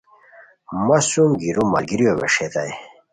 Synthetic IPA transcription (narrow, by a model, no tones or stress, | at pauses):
mɐsumɡiɾumːɐ̰lɡiɾijoβḛʂet̪aj